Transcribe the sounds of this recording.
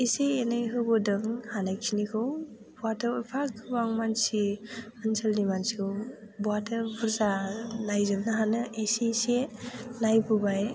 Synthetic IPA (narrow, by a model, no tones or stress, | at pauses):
eseːnajɦɯbɯdɯŋhanajkʰinikʰɯw | bɔatɯɾojpʰakʰɯbaŋmansi | ansalnimansi̥kʰɯw | bwatɯɾbuɾzalajzɯnnɯɦanɯʔesesenajbubaj